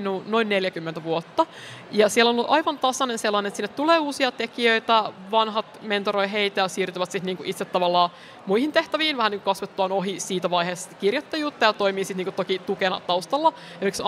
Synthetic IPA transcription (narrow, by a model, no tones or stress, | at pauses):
nuːnoinneljækymːent̪æʋuot̪ːɑjɑsielonolʔɑjʋɑnt̪ɑsɑnenselːɑnenet̪sinːet̪t̪uleːuːsiɑt̪ekiøit̪æʋɑnɦɑt̪ment̪oɾojɦeit̪æjɑsiːrt̪yʋæt̪sit̪niːŋkuʔit̪set̪ːɑʋɑlːɑː | muihint̪eht̪æʋiːnʋæhæniːŋkukɑsʋet̪ːuɑːnoɦisiːt̪æʋɑjheːskirjot̪ːɑjuːt̪ːɑjɑt̪oimiːsit̪niːŋkut̪okit̪ukenɑ̰t̪ɑust̪ɑlːɑ | emieks